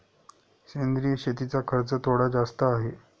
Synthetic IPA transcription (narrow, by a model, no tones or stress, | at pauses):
ɕend̪ɾiːjəɕet̪̬it͡sakʰəɾt͡sət̪ʰoɽad͡zast̪əːɦe